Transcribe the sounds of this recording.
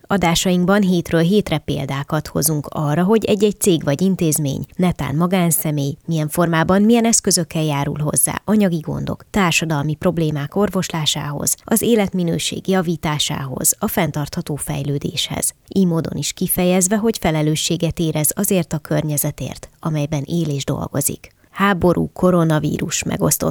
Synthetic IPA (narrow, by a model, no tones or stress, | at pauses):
ɒd̪aːʃɒjiŋɡbɒnɦeːt̪røːlɦeːt̪rɛpḛːld̪aːkɒt̪ho̞̰zuŋkɒrːɒɦo̞ɟɛɟːɛɟ̚t̪seːɡʋɒɟint̪eːzmḛːɲnɛt̪a̰ːnmɒɡaːnsɛmeːjmijɛɱfo̞rmaːbɒmmijɛnɛskø̞zø̞kːɛljaːɾṵlɦo̞̰zːa̰ːʔɒɲɒɡiɡo̞̰nd̪o̞̰kt̪aːrʃɒd̪ɒlmipro̞bleːmaːko̞rvo̞ʃlaːʃa̰ːɦo̞̰z̥ɒzeːlɛt̪minø̰ːʃḛːɡjɒviːt̪aːʃa̰ːɦo̞̰z̥ɒfɛn̪t̪ɒrt̪hɒt̪oːfɛ̰jløːd̪eːʃhɛ̰z̥ʔiːmoːd̪o̞̰niʃkifɛjɛzʋɛɦo̞cfɛlɛløːʃːeːɡɛt̪eːɾɛzɒzeːrt̪ɒkʰørɲɛzɛt̪ḛːrt̪ɒmɛjbɛneːleːʒd̪o̞̰lɡo̞̰zḭk | haːbo̞ɾʔṵːkʰo̞ɾo̞nɒvḭːɾuʃmʔɛ̰ɡo̞̰st̪o̞̰t̪